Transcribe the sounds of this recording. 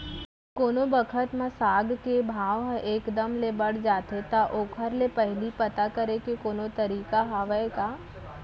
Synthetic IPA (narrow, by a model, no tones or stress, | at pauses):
koːnobəkʰət̪mãsaːɡkebʱaːʋɦɛ̃ʔeːkd̪əmlebɐɽ̤d͡ʒaːt̪ʰet̪aʔoːkʰəɾlepɐɦɪlipɐt̪akɐɾekekoːnot̪ɐɾiːkaɦaːʋəekaː